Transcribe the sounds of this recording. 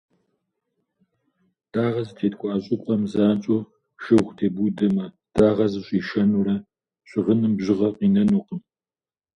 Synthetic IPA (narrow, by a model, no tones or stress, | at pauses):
d̥aːʁɐzɨtʰeːtʼkʷʼɔʔaːɕʼʊkʷʼɐmzaːnt͡ʃʼo | ʃɨʁʷtʰeːbudɐmɐ | d̥aːʁɐzɨɕʷʼiːʃɐnurɐ | ɕʷʼɪʁənɨmbʑɪʁɐqiːnɐnuːqəm